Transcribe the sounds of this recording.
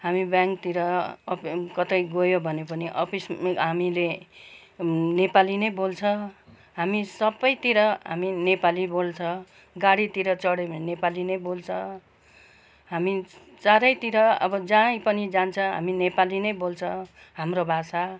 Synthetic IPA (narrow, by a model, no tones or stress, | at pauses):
ɦamibjãŋkt̪iɾʌ | kʌt̪ʌjɡojobʱʌnepʌniʔʌpʰisɦamile | nepalinʌjbolt͡sʰʌ̃ | ɦamisʌbʌjt̪iɾʌɦa̰minepalibolt͡sʰʌ | ɡaɽit̪iɾʌt͡sʌɽʌbʱʌnnepalinʌjbolt͡sʰʌ | ɦami | t͡saɾʌjt̪iɾʌʌ̰bʌd͡zãjpʌnid͡zant͡sʰʌɦa̰minepalinʌjbolt͡sʰʌ | ɦamrobʱasa